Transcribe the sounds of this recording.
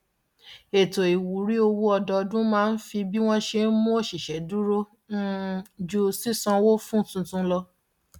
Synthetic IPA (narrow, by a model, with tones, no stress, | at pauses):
e˨to˨i˨wu˨ɾi˨˦o˧wu˦ɔ˧dɔ˧dũ˦mãː˦˧n̩˦fi˧bi˦w̃ɔ̃˦ʃe˧n̩˦mũ˦o˦˨ʃi˨ʃɛ˨˦du˦ɾo˦ | n̩˦d͡ʒu˧si˦sɔ̃˧wo˦fũ˦˨tũ˧tũ˧˦lɔ˧